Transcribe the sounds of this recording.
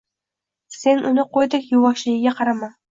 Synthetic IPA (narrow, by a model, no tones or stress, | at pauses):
se̞nʔʊnɪqʰojd̪ɪkʲjʊwɒʃlɪjɪɡʲaqʰɑɾaman